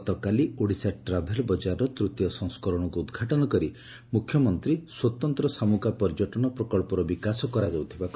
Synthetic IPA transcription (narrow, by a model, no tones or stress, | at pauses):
t̪ɔkalioɽisaʈɾabʱeɾɔbɔd͡ʒaɾɔt̪ɾut̪jɔsɔ̃ŋskɔɾɔɽ̃ɔkuːd̪ɡʱaʈɔnɔkɔɾi | mukʰjɔmɔnt̪ɾiswɔt̪ɔnt̪ɾɔsamukapɔɾd͡ʒɔʈɔnɔpɾɔkɔɭpɔɾɔbikasɔkɔɾad͡ʒawt̪ʰibakɔ